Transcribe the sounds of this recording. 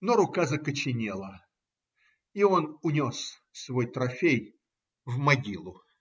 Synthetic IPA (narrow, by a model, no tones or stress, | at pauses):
noɾʊkazəkət͡ɕɪnʲelˠə | io̞nʊnʲo̞s | svo̞jt̪ɾɐfʲej | vmɐɡʲilˠʊ